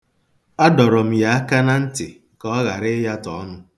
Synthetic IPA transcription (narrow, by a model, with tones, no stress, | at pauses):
a˦dɔ˨ɾɔ˨m̩˨ja˨a˦ka˦na˦n̩˦tɪ˨ | kɔ˦ɣa˨ɾɪ˦ja˦tɔ̰˨˦nʊ˦